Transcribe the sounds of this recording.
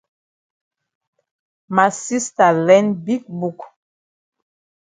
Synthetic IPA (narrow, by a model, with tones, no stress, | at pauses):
ma˨si˦sta˨lɛ˦nbi˦k̚bu˨k